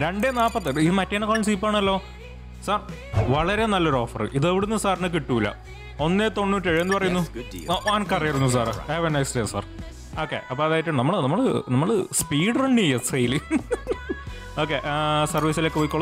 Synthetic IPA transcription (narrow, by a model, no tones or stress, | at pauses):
ɾe̞ɳɖenaːpːɐt̪ːɨiðɨmɐtːeɐnɐkoːɭɐmsiːp̬ːaːɳɐlːo̞ː | saːr | ʋɐɭɐɾe̞nɐlːɐoɾo̞ːfɐrɨ̰ʔiðeʋiɽunːɨsaːrnɨk̬iʈːuːilːɐ̰ | o̞nːet̪o̞nːutːeɻiʋenːɨpɐrɐjunːuoʔaːnkɐrɐjɐɾunːus̬aːreːʋenːɐjksʈesa̰ːr | o̞ːkːḛʔɐpːoːɐðaːjitːuɳːɨnɐmːɐɭnɐmːɐɭɨnɐmːɐɭɨspiːɽreɳɖɨejːɐsejli | o̞ːk̬ːeʔsɐrʋiːsilekːepoːikːoɭːɐm